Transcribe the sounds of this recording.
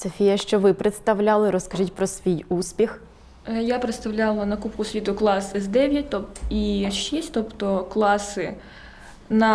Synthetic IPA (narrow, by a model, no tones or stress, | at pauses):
sɔfʲijɐʃt͡ʃɔʋɪpɾet̪st̪ɐʋlʲalˠɪɾɔskɐʒitʲpɾɔsʋʲijuspʲix | japɾet̪st̪ɐwlʲalˠɐnɐkupkʊsʲit̪ʊklˠɑsɪzd̪ɛʋʲjɐt̚ʲt̪ɔpiʃisʲtʲt̪ɔpt̪ɔklˠɑsɪ | nɐ